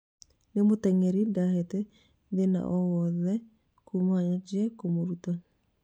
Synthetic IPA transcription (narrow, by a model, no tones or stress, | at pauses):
nemotɛŋeɾidahetɛ | ðena̰ʔɔwɔðɛ | kumaɲad͡ʒiɛkomoɾuta